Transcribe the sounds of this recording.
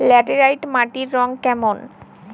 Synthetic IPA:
lɛʈeɾajʈmaʈiɾːɔŋkɛmon

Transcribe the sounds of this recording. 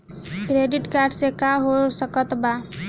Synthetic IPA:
kɾeɖɪʈkaːɾɖsekaɦosəkət̪ba

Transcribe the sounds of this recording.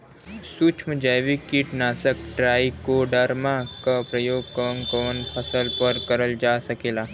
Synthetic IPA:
suːt͡ʃʰməd͡ʒaʋikiʈnaːsəkʈɾaːikoɖəɾmakapɾəjoːɡkɔːŋkɔːnpʰɐsəlpəɾkɐɾəld͡ʒaːsɐkeːlaː

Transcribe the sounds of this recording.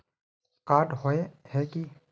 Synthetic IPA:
kaːʈɦoehɛki

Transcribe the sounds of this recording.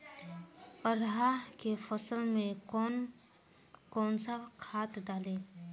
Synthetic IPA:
əɾɦakefʰəsəlmẽn | kɔːnsakʰaːt̪d̪aːleː

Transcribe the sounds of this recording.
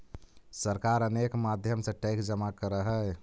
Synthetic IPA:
səɾkaɾənekmad̪ʱjəmsə̃ʈekd͡ʒəmakəɾəɦə

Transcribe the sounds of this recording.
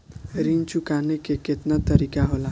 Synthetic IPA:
ɾint͡ʃukanekeket̪nat̪əɾikaɦola

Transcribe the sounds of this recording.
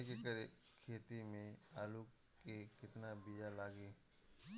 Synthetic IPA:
kekəɾekʰeːt̪imẽaːlu | ekɪt̪nabijalaːɡeː

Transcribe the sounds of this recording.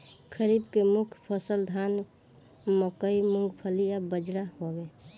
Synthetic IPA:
kʰəɾibkemukʰjpʰəsəld̪ʱan | məkəimuŋɡpʰəlijabəd͡ʒɽaɦobe

